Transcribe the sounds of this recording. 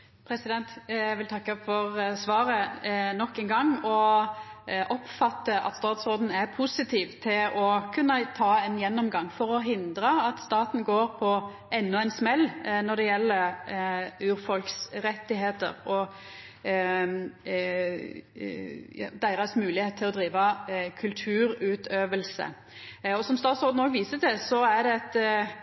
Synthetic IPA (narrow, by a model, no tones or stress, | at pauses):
pʰɾɛsɪd̪ɛnt̪æʋɪlt̪ʰɑkːəfɔɾsʋɑːɾənɔkːɛnɡɑŋːɔ | ʔɔpfɑt̪ːəʔɑ̰t̪st̪ɑːt̪sʁoːd̪n̩æɾpʰusɪt̪ʰiːʋt̪ʰɪlʔɔkʰʉnːət̪ʰɑːɛnjɛnːɔmɡɑŋːfɔɾɔɦɪnd̪ɾəɑt̪st̪ɑːt̪n̩ɡoːɾpʰɔ | ʔɛnːʊæɪnsmɛlːnɔd̪ɛjɛlːəɾ | ʉːɾfɔlksɾɛt̪ːɪɦeːt̪ə̰ɾɔ | ɑ̰d̪æɪɾɑsmʉːlɪheːt̪t̪ʰːɪlɔd̪ɾiːʋɑkʰʉlt̪ʰʉːɾʉːt̪ʰøːʋəlsə̰ | ɔsɔmst̪ɑːt̪soːd̪n̩oːɡʋiːsəd̪ɛsɔæɾd̪ɛɛt̪